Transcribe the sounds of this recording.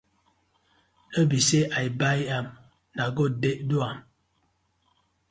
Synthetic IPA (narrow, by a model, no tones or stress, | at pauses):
əbiseʔaibajam | naɡɔdeʔduam